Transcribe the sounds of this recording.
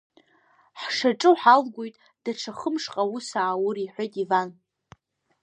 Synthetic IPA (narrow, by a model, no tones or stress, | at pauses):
ħʂaʈ͡ʂʼɨħalɡʷojtʼ | d̥aʈ͡ʂʰaχəmʂqʼawusaʕawʊriħʷejtʼivan